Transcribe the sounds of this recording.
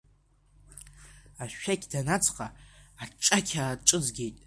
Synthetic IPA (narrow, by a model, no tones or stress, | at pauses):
aʃᶣːakʲdanat͡sʰʼqʼaaʈ͡ʂʼakʲʰaːʈ͡ʂʼɨzɡʲe̞jtʼ